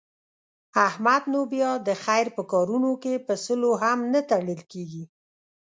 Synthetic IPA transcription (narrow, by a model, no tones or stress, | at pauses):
ahmad̪nobjɑd̪əxajɾpəkɑɾunokepəsəloɦamnət̪aɽəlkeɡi